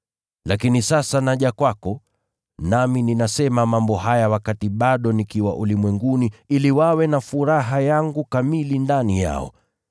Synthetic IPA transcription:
lakinisasanaʄakwakɔ | namininasɛmamambɔhajawakatiɓaɗɔnikiwa̰ʔulimwɛŋɡuniiliwawɛnafuɾaɦajaŋɡukamilindanija̰ɔ̰

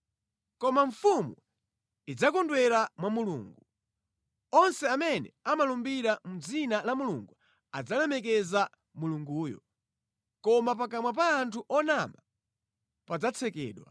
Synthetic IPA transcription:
kɔmaɱfumu | id͡zakɔndwɛɾamwamulṵːŋɡu | ɔnsɛamɛnɛ̰amalumbiɾamud͡zinalamuluŋɡu | ad͡zalɛmɛk̬ɛza | muluŋɡuːjɔ̰ | kɔmap̬akamwap̬aːntʰuʔɔnama | pad͡zat͡sʰɛkɛ̰ːɗwa̰

